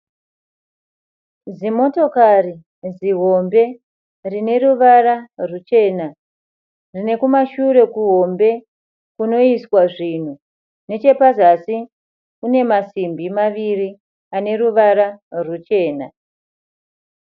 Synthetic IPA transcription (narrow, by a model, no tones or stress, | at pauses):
zimo̞to̞kari | ziɦo̞mbe̞ | rine̞ɾuʋaɾarut͡ʃe̞ːna | rine̞kumaʃure̞kuɦo̞mbe̞ | kuno̞iswaʐin̤u | ne̞t͡ʃe̞pazasi | kune̞masimbimaʋiri | ane̞ɾuʋaɾarwut͡ʃe̞ːna